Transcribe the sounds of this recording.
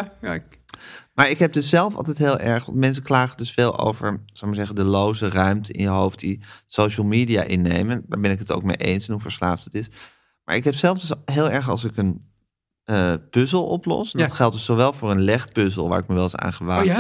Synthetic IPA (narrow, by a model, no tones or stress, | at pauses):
maːɹɪkɦɛb̚dɵsɛlˠfɑ̰lˠt̬ɛjtɦeːlˠʔɛɹχʋɑ̰ntmɛns̬əklaːχədɵsfeːlˠʔo̰wvəɹz̥owmaːɹzɛχəndəlowzərœɥmtəʔɪ̰njəɦowftdisowʃəl̩ˠmiːdija̰ːʔɪnːḛjməndaːɹbɛnɪkəto̰ʊwk̚mejʔḛjnsɛnɦuvəɹslaːftətɪs | ma̰ːɹɪkɦɛpsɛlˠfdʏsɦeːlˠɛɹχɑ̰lˠsɪkən | əpɵzəlˠɔ̰plɔ̰sndɑtχɛlˠt̚dɵssoʋɛlˠvʊːɹənlɛχpøzə̰lˠʋa̰ːɹɪk̚məʋɛlˠɑsa̰ːnχəʋa